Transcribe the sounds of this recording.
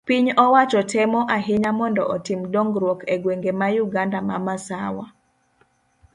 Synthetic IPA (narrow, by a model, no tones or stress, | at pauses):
piɲɔwat͡ʃɔtɛmɔʔaɦɪɲamɔndɔ̰ʔɔtimdɔŋɡɾwɔkɛɡweŋɡemajuɡandama̰masawa̰